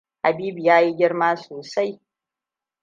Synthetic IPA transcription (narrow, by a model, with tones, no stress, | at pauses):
ha˨biː˦bu˨jaː˦ji˦ɡʲɪ˦ɽmaː˦soː˨sa˦j